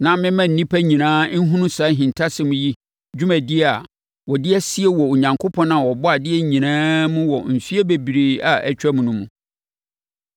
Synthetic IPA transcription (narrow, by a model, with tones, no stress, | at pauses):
nã˨mɪ̃˦mã˦n̩˨nĩ˦pʰæ˦ɲĩ˨nãː˦n̩˦ɦũ˦nʊ̃˦sa˨˦ɦĩ˨ntʰa˦sɪ˦mũ˦ji˦ | d͡ʑᶣu˦mæ̃˨dɪ˦˨a˨ | wɔ˨dɪ˦ɛ˦si˦e˦wɔ˨o˨ɲã˨ŋkʰo˦pʰɔ̃˦nã˨wɔ˨bɔ˦a˨dɪ˦ɛ˦ɲĩ˨nãː˦mũ˦wɔ˨m̩˨fi˦e˦be˨bi˨ɾeː˨a˨ʔɛ̰˦t͡ɕᶣæ˦mũ˨nʊ̃˦mũ˨